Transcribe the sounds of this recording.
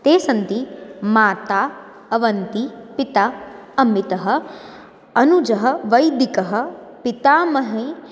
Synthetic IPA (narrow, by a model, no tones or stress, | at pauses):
t̪eːsɐnt̪imaːt̪aː | ɐʋɐnt̪ipit̪aɐmit̪ɐɦɐ̆ | ɐnud͡ʒɐɦɐʋɐjd̪ikɐɦɐ̆pit̪aːmɐɦẽː